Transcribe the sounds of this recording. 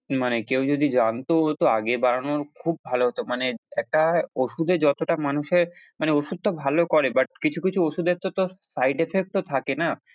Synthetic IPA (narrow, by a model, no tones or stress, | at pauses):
manekewd͡ʑod̪id͡ʑant̪oot̪oa̰ɡebaɾanoɾkʰub̚ːʱaloɦot̪omaneɛk̚ʈaoʃud̪ed͡ʑɔt̪oʈamanuʃeɾmaneoʃud̪̚t̪obʱalokɔɾebaʈ̚kit͡ɕʰukit͡ɕʰuoʃud̪et̪ot̪osajɖefek̚ʈot̪ʰakena